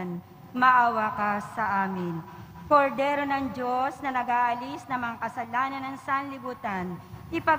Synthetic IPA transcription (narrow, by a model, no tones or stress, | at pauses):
n | mɐʔawakasɐʔaːmɪn | koɾd̪ɛːɾo̞nɐŋd͡ʒo̞snɐnɐɡaːʔɐlisnɐmɐŋakɐsɐlaːnɐnɐŋsanlɪbuːt̪anʔɪpɐ